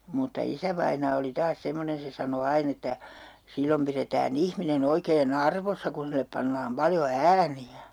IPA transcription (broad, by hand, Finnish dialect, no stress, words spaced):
mutːɑ isæʋɑinɑː oli tɑːs semːonen̞ se sɑno ɑin etːæ silːom piretæːn ihminen oikeːn ɑrʋosːɑ kun silːep pɑnːɑːm pɑljo æːniæ